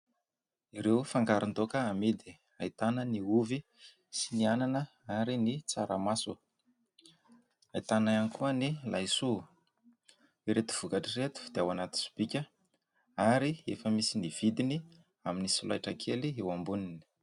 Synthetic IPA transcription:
iɾewfaŋɡaɾind̪okəamed̪i | ait̪anəniuvi | siniananə | aɾinit͡saɾəmasu | ait̪anajanikuənilajsu | iɾet̪u̥v̥ukaʈ͡ʂiɾet̪u̥d̪̥eawanat̪i̥su̥b̥ikʲə | aɾiefəmisiniv̥id̪ini | aminisula̰jʈ͡ʂakʰeliewambunini̥

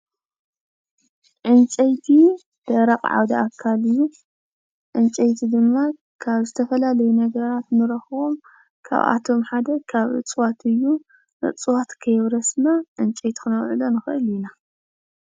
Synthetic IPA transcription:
ʕɨnt͡ʃʼɐjt̪ʰi | d̪̥ɐɾɐqʼʕa̰wd̪aakʰːalɨjːu | ʕɨnt͡ʃʼɐjt̪ʰid̪ɨmːa | kʰaβzɨt̪ʰɐfɐlalɐjunɐɡɐɾat̪nɨɾɐxɨom | kʰa̰βa̰t̪ʰo̞mħad̪ɐkʰaβʔɨ̰t͡sʼwat̪ʰɨjːu | nɨ̰t͡sʼwat̪kʰɐjɛβɾɐsnaʕɨnt͡ʃʼɐjt̪ʰi̥xɨnɐwʕɨlonɨxɨʔɨlɪna

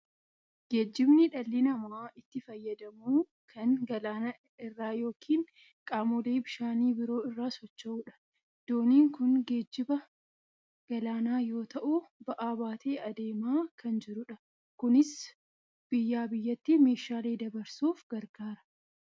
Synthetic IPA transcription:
ɡ̥e̞ːd͡ʒːɪbnɪᶑɐlːɪnɐmaːɪt̪ːɪfɐjːɐd̪ɐmuː | kʰɐnɡɐlaːnaː | ɪrːaːjo̞ːkʰiːŋ | kʼaːmɔle̞ːbɪʃaːniːbɪɾo̞ːɪrːaːsɔt͡ʃːɐʔuːᶑɐ̥ | d̪̥oːniːŋkʊnɡe̞ːd͡ʒːɪbɐ | ɡ̥ɐlaːnaːjo̞ːt̪ɐʔʊbɐʔaːbaːt̪ʰe̞ːʔɐd̪e̞ːmaːkʰɐnd͡ʒɪɾʊᶑɐ | kʊnɪs | b̥ɪjːaːbɪjːɐt̪ːɪme̞ːʃaːle̞ːd̪ɐbɐɾsuːfɡ̥ɐɾɡ̥aːɾɐ̥

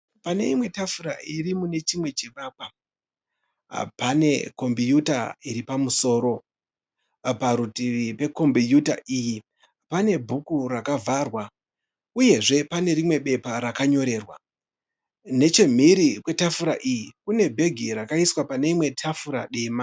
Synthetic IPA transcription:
pane̞̰imwe̞tafuɾa̰irimune̞t͡ʃimwe̞t͡ʃeʋaːk̚wa | pane̞ko̞mbijutaiɾipamuso̞ːɾo̞ | paɾutiʋipe̞ko̞mbijuta̰ʔiji | pane̞bʱukurakavʱarwa | uje̞ʐe̞pane̞ɾimwe̞ɓe̞paɾakaɲo̞ɾe̞ːrwa | ne̞t͡ʃe̞m̤iɾikwe̞tafuɾa̰ʔijikune̞bʱe̞ɡʱiɾakaiswapane̞imwe̞tʰafuɾa̰ɗeːma

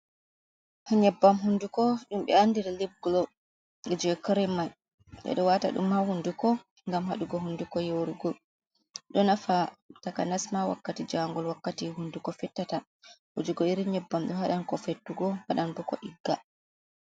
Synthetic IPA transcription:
haɲɛbːamɦundukɔɗumɓɛandiɾaleb̚ɡlɔ | ɡɛd͡ʒɛɛkɔɾɛmaj | ɗɛ̰ɗɔwata̰ɗṵmhahundukɔ | ŋɡamhaɗuɡɔɦundukɔjowɾuɡɔ | ɗɔnafatakanasmawa̰kːatid͡ʒaŋɡɔlwakːatiɦundukɔfɛtːata | hod͡ʒuɡɔiɾiɲɛbːamɗɔɦaɗankɔfetːuɡɔhaɗanbɔkɔʔiɡːa

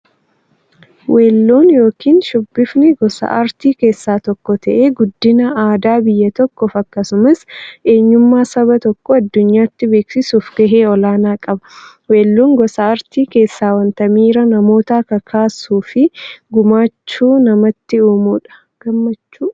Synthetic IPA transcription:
wʔe̞ːlːuːnjo̞ːkiːnʃʊbːɪfnɪɡɔsɐ̰ʔɐɾt̪iːke̞ːsːaːt̪ɔkːɔt̪ɐʔeːɡʊd̪ːɪnɐaːd̪aːbɪjːɐt̪ɔkːɔːfɐkːɐsʊmɐsʔe̞ːɲːʊmːaːsɐbɐt̪ɔkːɔɐd̪ːʊɲːaːt̪ːɪbe̞ːksɪsuːfɡ̥ɐɦeːɔlaːnaːkʼɐbɐ̥ | we̞ːlːuːŋɡɔsɐɐɾt̪iːke̞ːsːaːwɐnt̪ɐmiːɾɐnɐmo̞ːt̪aːkɐkʰaːsuːfɪɡʊmaːt͡ʃːuːnɐmɐt̪ːɪuːmuːᶑɐ̥ | ɡ̥ɐmːɐt͡ʃːuː

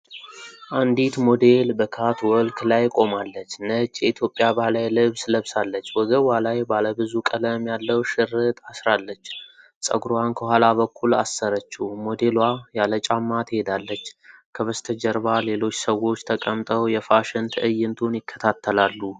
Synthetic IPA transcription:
ʔand̪it̪mo̞d̪e̞lbəkʰat̪wɔlkʰlajkʼo̞malːət͡ʃːnət͡ʃʼːjɛit̪ʰjo̞pʼjabalajlɨβsləβsalːət͡ʃːwɔɡəwalajbaləbɨzukʼələmjalːəwʃɨɾɨt̪ʰasɾalːət͡ʃː | sʼə̰ɡɾankʰəhʷalaβəkʰːulasːəɾət͡ʃːumo̞d̪e̞lwajalət͡ʃʼamːat̪hed̪alːət͡ʃːkʰəβəst̪ʰəd͡ʒəɾbale̞lo̞t͡ʃːsəwo̞t͡ʃːt̪ʰəkʼəmt̪ʼəwjɛfaʃɪnt̪ʰəʔɨjːɪnt̪ʰonjɪkʰːə̥t̪ʰat̪ʰːəlalːu

